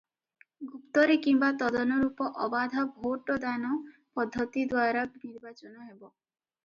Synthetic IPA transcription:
ɡupt̪ɔɾekimbat̪ɔd̪ɔnɔɾupɔʔɔbad̪ʱɔbʱoʈɔd̪anɔ | pɔd̪ʱːɔt̪id̪waɾɔniɾbat͡ʃɔnɔɦebɔ

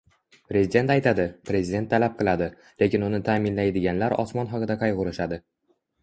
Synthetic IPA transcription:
pɾezɪd̪e̞nt̪ajt̪ʰad̪ɪpɾe̞zɪd̪e̞nt̪ʰːalap̚qʰɨlˠad̪ɪ | le̞kʲɪnʊnɪt̪ʰaːmɪnlajd̪ɪɡʲanlaɾɒ̰smɒnɒqɨd̪aqʰɑjʁʊɾɪʃad̪ɪ

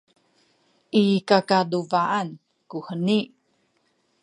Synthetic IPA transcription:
ʔikakaduvaʔan | kuhəni

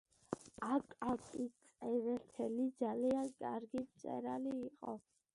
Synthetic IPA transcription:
akʼakʼit͡sʼɛvɛlt̪ʰɛlid̪zaliankʼaɾɡip̪sʼɛ̰ɾaliːqʼɔ̰

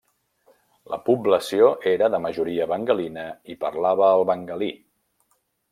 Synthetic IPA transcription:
lə̰publəsioʔeɾəðəməʒuɾiəβəŋɡəlinəipəɾlaβəːlˠβəŋɡəli

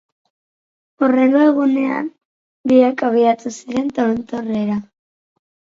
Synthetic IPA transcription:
ure̞ŋɡo̞e̞ɣune̞a̰n | biakaβ̞iat̪usiɾe̞nt̪oɾont̪oreɾa

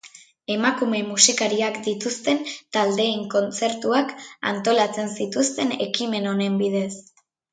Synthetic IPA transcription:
e̞makume̞musikaɾiakd̪it̪ust̪e̞nt̪ald̪e̞ːŋko̞nt͡se̞ɾt̪uaka̰nt̪o̞lat͡se̞nsit̪ust̪e̞ne̞kime̞no̞ne̞mbið̞e̞s

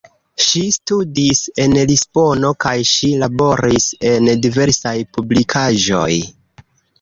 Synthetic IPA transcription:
ʃistudise̞nlispo̞no̞kajʃilabo̞ɾise̞ndive̞ɾsajpublikʰaʒo̞̰j

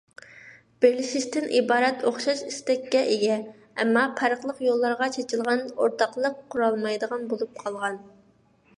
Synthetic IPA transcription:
b̥ɪɾlɪʃiʃt̪ɪnʔibɑːɾɛt̪ʰoχʃɑʃist̪ɛkʲːɛʔejʲɛ | ɛ̰mːɑpʰɛɾəχlˠəqjolˠːɑɾʁɑt͡ʃʰet͡ʃʰilˠʁɑnoɾt̪ɑqlˠəqʰːʊɾɑlˠmɑjd̪əʁɑnbolˠup̚qʰɑlˠʁɑn

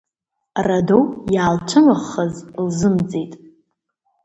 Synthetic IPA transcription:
radowjaːlt͡ʃʷʰɨnɨʁəzlzɨmd͡zʼetʼ

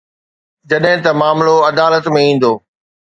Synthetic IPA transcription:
d͡ʑɐɗɦɪ̃t̪ɐmaːmloɐd̪aːlət̪mẽĩːn̆d̪oː

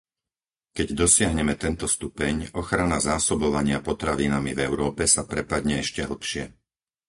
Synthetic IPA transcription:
kɛɟd̪ɔsɪaɦɲɛmɛt̪ɛnt̪ɔst̪upɛɲɔxɾanazaːsɔbɔʋaɲɪapɔt̪ɾaʋinamivɛʊɾɔːpɛsapɾɛpad̪ɲɛɛʃcɛɦl̩pʃɪɛ

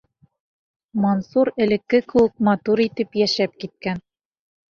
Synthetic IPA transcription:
monsuɾɘ̆lɘ̆kːɘkɘ̆wɘk̚mɐt̪uɾit̪ɘpjæʃæp̚kit̪̚kæn

